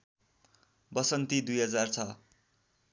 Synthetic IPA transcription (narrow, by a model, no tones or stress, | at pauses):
bʌsʌnt̪id̪ujɦʌd͡zart͡sʰʌ